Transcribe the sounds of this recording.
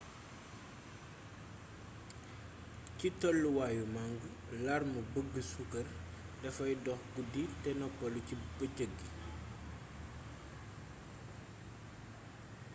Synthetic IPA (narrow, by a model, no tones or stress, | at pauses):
citɔlːuwaːjumaŋɡə | larməbəɡːəsukɐr | dɐfɐjdɔxɡuditɛnɔpːɔlucibəcəɡːi